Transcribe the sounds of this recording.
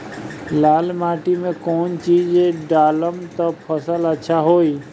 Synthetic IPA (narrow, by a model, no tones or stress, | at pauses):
laːlmaːʈimẽkɔːnt͡ʃiːd͡ʒeɖaːləmt̪opʰəsələtːʃʰaɦoːiː